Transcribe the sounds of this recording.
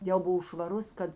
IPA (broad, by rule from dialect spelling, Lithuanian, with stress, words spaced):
ˈjɛʊ ˈbʊw ʃʋɐˈrʊs ˈkɐt